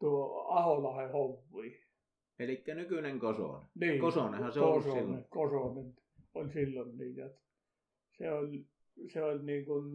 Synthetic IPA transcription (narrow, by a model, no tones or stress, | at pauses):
t̪uoɑholɑhehoʋːiː | elikːænykyneŋkoso̰ˑneniːkosoˑnehɑseosonekosonen | olʲsilːonniːjot̪ | seolʲ | seolʲniːŋkun